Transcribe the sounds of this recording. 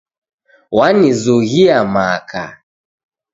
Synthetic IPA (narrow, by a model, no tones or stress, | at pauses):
wanizuɣiamakʰa̰